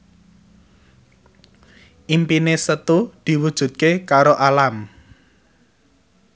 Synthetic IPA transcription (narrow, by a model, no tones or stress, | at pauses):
ʔimpinesət̪ud̪̥i̤wud̥ʒ̥ṳt̪̚kekaɾoʔalam